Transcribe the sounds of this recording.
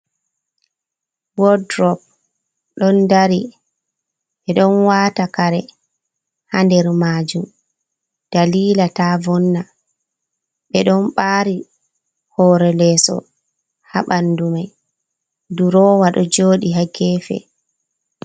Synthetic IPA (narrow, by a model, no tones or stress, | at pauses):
wɔdɾɔp̚ | ɗɔndaɾi | ɓɛɗɔnwaːtakaɾɛ | handɛɾmaːd͡ʒum | d̥aliːlatavɔnːa | ɓɛɗɔnɓaːɾi | hɔɾɛlɛːsɔ̰ | ha̰ɓandumaj | duɾɔːwaɗɔd͡ʒoːɗiɦaɡɛːfɛ̰